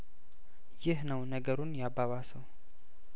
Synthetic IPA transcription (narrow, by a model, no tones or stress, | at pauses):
jɪhnəwnəɡəɾunjaβːaβasəw